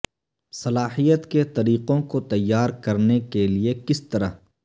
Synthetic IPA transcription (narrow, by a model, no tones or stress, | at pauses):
sɐlaːhijət̪ket̪ɐɾiːqõkot̪ɐjːaːɾkɐɾnekeliekɪst̪ɐɾəɦ